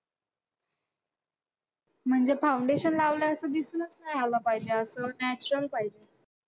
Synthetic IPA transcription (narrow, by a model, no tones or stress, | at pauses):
m̤əɳd͡ʑefawɳɖeɕənlaʋljaəsəd̪isnət͡snajalapajd͡ʑeəsənæt͡ɕɾəlpajd͡ʑe